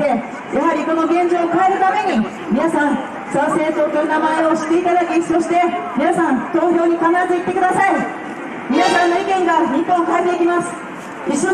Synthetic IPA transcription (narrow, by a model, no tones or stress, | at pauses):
e̞ | jaɦaɾʲiko̞no̞ɡẽ̞ɲ̟d͡ʑo̞ːkae̞ɾɯ̟t̪ame̞ɲ̟i | mʲinasãn | sase̞ːt̪o̞ːkʲoɯnamae̞o̞ɕi̥t̪ːe̞it̪ad̪akʲiso̞ɕi̥t̪e̞mʲinasãnt̪o̞ːço̞ːɲ̟ikanat̪eit̪ːe̞kɯ̟d̪asai | mʲinasãnːo̞ikẽ̞ŋɡaɲʲikːõːkaet̪eikʲimasɨ̥ | iɕːo